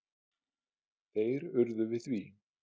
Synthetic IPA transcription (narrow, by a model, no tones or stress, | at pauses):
θejɾʏɾðʏvɪðθvi